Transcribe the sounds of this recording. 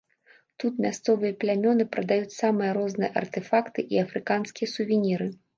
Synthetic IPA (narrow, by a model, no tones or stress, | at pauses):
t̪ut̪mʲast̪sɔvɨjɐplʲamʲɔnɨpɾɐd̪ajut͡sʲsamɨjɐɾɔznɨjɛ̰ʔɐ̰rt̪ɛfakt̪ɨʔiɐfɾɨkanskʲijɐsuvʲinʲiɾɨ